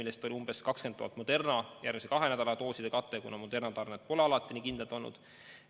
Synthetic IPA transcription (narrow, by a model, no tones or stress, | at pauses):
ilːest̪o̞lʲiumb̥e̞skɑkskent̪ːo̰ɑt̪mod̪̥e̞rnɑjærmisekɑɦe̞næd̪ɑlɑt̪o̞ːsid̪̥e̞kɑt̪ːˑe̞kunɑmod̪e̞rnɑt̪ɑrnet̪ːpo̞leɑlɑt̪ːˑinikind̪elt̪olnːṵd̪̥